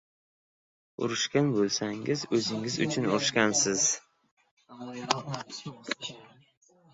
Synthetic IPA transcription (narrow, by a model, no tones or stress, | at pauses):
ʊ̰ɾɪʃkʲanbolˠsaŋɪzɵzɪŋɪzʊ̰t͡ʃʰʊnʊɾʃkʲansɪz̥